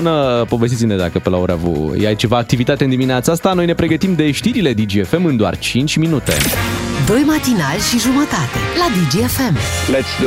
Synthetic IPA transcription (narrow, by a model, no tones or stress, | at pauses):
nəpo̞vest̪it̪sined̪a̰kəpelaoɾavṵjeajt͡ʃe̞vaːk̚t̪ivit̪at̪eɨnd̪imineat̪səast̪ano̞jne̞pɾe̞ɡət̪imd̪e̞ʃt̪iɾile̞d̪id͡ʒiefe̞mɨnd̪oa̰rt͡ʃint͡ʃʲminut̪e̞̰d̪o̞jmat̪inalʲʃiʒumət̪at̪e̞̰lad̪id͡ʒiefemlet̪s